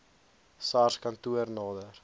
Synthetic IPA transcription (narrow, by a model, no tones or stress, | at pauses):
sɑrskɐntuərnɑːdər